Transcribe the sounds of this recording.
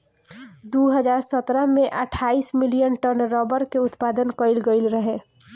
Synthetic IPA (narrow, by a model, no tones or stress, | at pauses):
d̪uɦəd͡ʒaːɾsət̪ɾəɦmẽʔəʈʰaːismɪlijənʈəɾnɾɔbəɾkeʊt̪paːd̪ənkəɪlɡəɪlɾəɦe